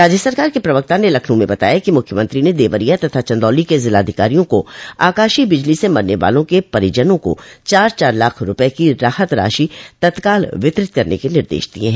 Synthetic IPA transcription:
ɾaːd͡ʒjəsɐɾkaːɾkepɾɐʋək̚t̪anelɐkʰnũmẽbɐt̪a̰ːjakimʊkʰjəmə̃nt̪ɾined̪eːʋəɾijat̪ɐt̪ʰat͡ʃɐ̃nd̪ɔːlikezɪlaːd̪ʱɪkaːɾijõkoaːkaːʃibɪd͡ʒlisemɐɾneʋa̰ːlõkepɐɾɪd͡ʒənõko̰t͡ʃaːɾt͡ʃaːɾlaːkʰɾʊpɛkiɾaːhət̪ɾa̰ːʃit̪ɐt̪kaːlʋɪt̪ɾɪt̪̚kɐɾnḛkenɪɾd̪ḛːʃd̪̥iḛ̃ɦɛ̃ː

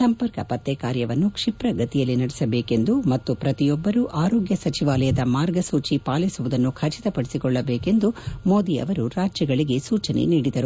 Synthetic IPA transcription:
sɐmpɐɾkɐpɐt̪ːɛkaːɾjɐʋɐnːukʂipɾɐɡɐt̪ijɐlːinɐɽɛsɐbeːke̞nd̪umɐt̪ːupɾɐt̪ijɔbːɐɾuʔaːɾoːɡjɐsɐt͡ʃiʋaːlɐjɐd̪ɐmaːɾɡɐsuːt͡ʃipaːlisuʋud̪ɐnːukʰɐt͡ʃi̥t̪ɐpɐɽisikɔɭːɐbeːke̞nd̪umo̞ːd̪iɐ̰ʋɐɾuɾaːd͡ʒjɐɡɐɭiɡe̞suːt͡ʃɐnḛniːɽid̪ɐɾu

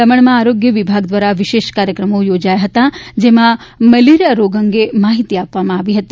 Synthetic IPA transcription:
əməɳmãaːɾoɡjəʋibʱaɡd̪ʋaɾaʋiʃeʃkaɾjəkɾəmojod͡ʒajaɦət̪ad͡ʒemãmɐliɾəɾoɡəŋɡemaɦit̪iapʋamãaːʋiɦət̪i

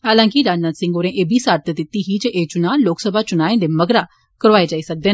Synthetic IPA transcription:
ɦaːlãːkiɾaːd͡ʒnat̪sɪ̃ŋɡoːɾẽːʔeːbiːsaːɾt̪ʰd̪ɪt̪ːiːɦiːd͡ʒəʔeːt͡ʃʊnãːloːksəbʱaːt͡ʃʊnaːẽːd̪eːməɡɾaː | kəɾʋaːeːd͡ʒaːiːsək̚d̪eːn

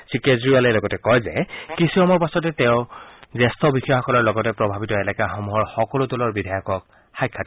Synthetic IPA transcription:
sikezɹialɛlɔɡɔtɛkɔjzɛ̰kisiɔmɔɹpasɔtɛtɛʊ̃zɛstɔbixɔjɔxɔkɔlɔɹlɔɡɔtɛpɹɔbʱabitɔɛlɛkaxɔmuɦɔɹxɔkɔlʊtɔlɔɹbidʱajɔkɔk̚ | xajkʰːat

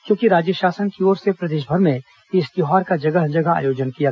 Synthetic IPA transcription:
kjõːkiɾaːd͡ʒjəʃaːsənkioːɾsepɾɐd̪eːʃbʱəɾmẽ | ɪst̪ɪɦaːɾkad͡ʒɐɡəɦd͡ʒɐɡaa̰ːjoːd͡ʒənkija

